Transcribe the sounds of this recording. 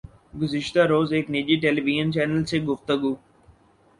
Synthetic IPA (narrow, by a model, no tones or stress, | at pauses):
ɡʊzɪʃt̪aɾoːzeːknid͡ʒiʈeːliʋiʒənt͡ʃɛːnəlseɡʊft̪əɡuː